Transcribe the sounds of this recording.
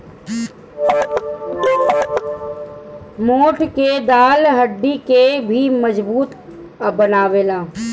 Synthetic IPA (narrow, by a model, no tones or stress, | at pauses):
moːʈʰked̪aːlɦəɖːikebʱiməzbuːt̪ | bənaːʋeːlaː